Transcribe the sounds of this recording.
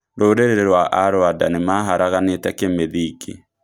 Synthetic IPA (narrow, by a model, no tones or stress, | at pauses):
ɾoɾeɾeɾeɾwaʔaɾoada̰nemaɦaɾaɣanetɛkemeðikʰḛ